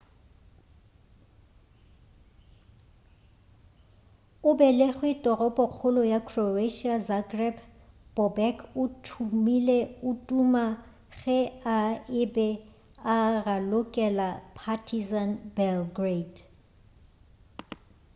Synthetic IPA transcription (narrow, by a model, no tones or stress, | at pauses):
ʊbɛleχwɪtʼɔrɔbʼɔk͡xʰʊlɔjakʰroeʃiazaɡrɛb | b̥ɔbɛkʰʊtʰumileʊtʼuma | ɣɛaɪbɛ | aralʊkʼɛlapʰatʰizanbɛlɡred